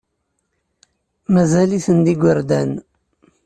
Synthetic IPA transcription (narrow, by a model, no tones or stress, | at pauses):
mæzæliθənd̪iɡʷəɾd̪æn